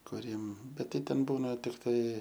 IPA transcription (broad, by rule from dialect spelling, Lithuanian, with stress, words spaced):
kʊˈrʲiɛm ˈbʲɛt ˈtɐɪ ˈtʲɛn ˈbuːnɐ tʲɪkˈtɐɪ